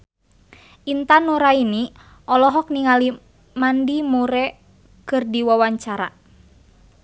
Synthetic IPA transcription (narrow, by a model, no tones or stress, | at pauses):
ʔint̪anuɾaini | ʔɔlɔɦɔk̚niŋali | mandimuɾɛ | kɨrdiwawaɲt͡ʃaɾa̰